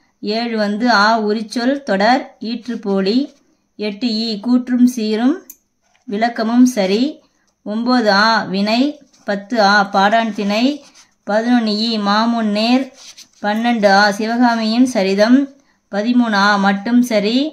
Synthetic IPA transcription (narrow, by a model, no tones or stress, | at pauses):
eːɻɯʋɐnd̪ɯaːʊɾɪt͡ʃːɔlt̪ɔɽɐɾiːʈrɯpoːli | ɛʈːɯjiːkuːʈrɯmsiːɾɯm | ʋɪlɐkːɐmɯmsɐɾi | ɔmboːðɯaːʋɪnɐɪ | pɐt̪ːɯaːpaːɽaːɳt̪ɪnɐɪ | pɐðɯnɔnjiːmaːmuːnːeːɾpɐnːɛɳɖɯaːsɪʋɐɣaːmɪjɪnsɐɾɪðɐm | pɐðɪmuːnaːmɐʈːɯmsɐɾi